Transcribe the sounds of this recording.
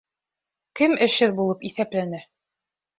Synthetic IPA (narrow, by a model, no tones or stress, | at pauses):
kɘmɘ̆ʃɘðbulˠɤpiθæplænæ